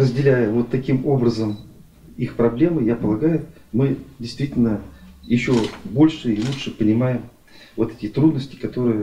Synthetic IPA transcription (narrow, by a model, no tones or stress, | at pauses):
rəzʲdʲɪlʲæjəvo̞t̪ːɐkʲimo̞bɾəzəm | ixpɾɐblʲe̞mɨjapəlˠɐɡajʊ | mɨdʲɪjst̪vʲitʲɪlʲnəjɪɕːo̞bo̞lʲʂɨilˠuʂɨpənʲɪmajɪm | vo̞t̪ɛtʲɪt̪ɾud̪nəsʲtʲɪ̥kɐt̪o̞ɾɨjə